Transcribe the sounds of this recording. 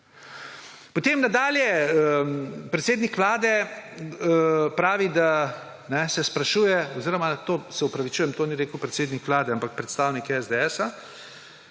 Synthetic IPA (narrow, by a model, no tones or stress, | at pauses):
pɔt̪eːmnad̪aːljɛəpɾɛt̪seːd̪nikʋlaːd̪ɛ | pɾaːʋid̪a | nɛsɛspɾaʃuːjɛɔziːɾɔmat̪oːsɛɔpɾaʋit͡ʃuːjɛmt̪oːniɾeːkəwpɾɛt̪seːd̪nikʋlaːd̪ɛampak̚pɾɛt̪st̪aːwnikɛzd̪ɛɛːsa